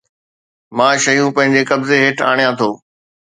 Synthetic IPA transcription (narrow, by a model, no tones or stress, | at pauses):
mãːʃɐjũpɐ̃ɦɪ̃ɲd͡ʑekɐbzeɦeːʈʰaːɽ̃ijãt̪ʰoː